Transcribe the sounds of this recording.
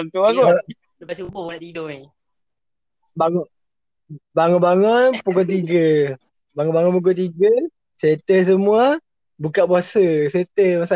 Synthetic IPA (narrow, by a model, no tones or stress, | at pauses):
ŋt̪ubaɡɔ | dəpasubonaʔt̪idɔi | baŋɔ | baŋɔʔbaŋɔnpukot̪iɡə | baŋɔbaŋɔp̬uk̬ot̪̬iɡə | set̪əs̬əmua | bukaʔ̚buasəset̪əmasa